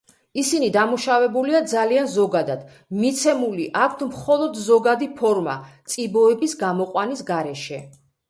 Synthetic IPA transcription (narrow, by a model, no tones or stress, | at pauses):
isinid̪amuʃavɛbuliad̪zalianzɔɡad̪ad̪̥ | mit̪sʰɛmuliʔak̚ʰʷt̪ʰmχɔlˠɔd̪zɔɡad̪ipʰɔɾma̰t̪sʼibɔɛbisɡamɔqʼwanisɡaɾɛʃɛ